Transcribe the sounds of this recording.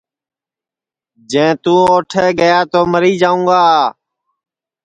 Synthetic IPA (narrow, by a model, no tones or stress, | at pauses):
d͡ʒẽːt̪ũːoːʈʰeːɡəjaːt̪oːməɾiːd͡ʒaːũːɡaː